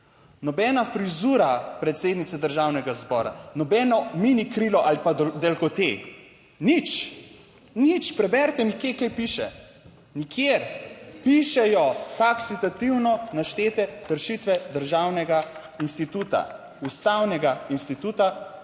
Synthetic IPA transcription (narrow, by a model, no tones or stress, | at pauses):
nɔbɛːnafɾizuːɾapɾɛt̪seːd̪nit̪sɛd̪əɾʒawnɛɡazbɔːɾa̰nɔbɛːnɔminikɾilɔʔalipad̪elkɔt̪ḛ | nit͡ʃ | nit͡ʃpɾɛbɛɾt̪ɛnikjekajpiʃɛ̰ | nikʰjeɾpiʃɛjɔt̪aksit̪at̪iwnɔnaʃt̪eːt̪ɛkəɾʃit̪ʋɛd̪əɾʒaːwnɛɡa | inst̪it̪ut̪a̰ | ust̪awnɛɡainst̪it̪uːt̪a